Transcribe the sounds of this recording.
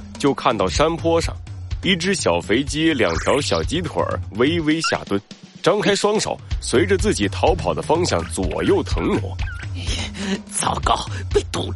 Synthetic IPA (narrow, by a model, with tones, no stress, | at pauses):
t͡ɕjo˥˧ʊkʰa˥˧nt̪ɑ˥˩ʊʂa˥npʰwɔ˥ʂɑ̰˥˩ŋi˥˩ʈ͡ʂɻ̩˥ɕjɑ˨˩ʊfe˧˥ɪt͡ɕi˥ljɑ˨˩ŋt̪ʰjɑ˧˥ʊɕjɑ˨˩ʊt͡ɕi˥t̪ʰwə̰˞˨˩˥we˥ɪwe˥ɪɕja̰˥˩t̪wə˥n | ʈ͡ʂɑ˥ŋkʰa˥ɪʂwɑ˥ŋʂɑ̰˨˩˦ʊswe˧˥ɪʈ͡ʂə˧t͡sɹ̩˥˩t͡ɕi˨˩t̪ʰɑ˧˥ʊpʰɑ˨˩ʊd̪ə˦fɑ˥ŋɕjɑ˥˩ŋt͡swɔ̰˨˩jo˥˩ʊt̪ʰɤ˧˥ŋnʊ̰˧˥˦ŋ | t͡sɑ˥˧˩ʊkɑ˥˩˥ʊpe˥˩ɪt̪ṵ˨˩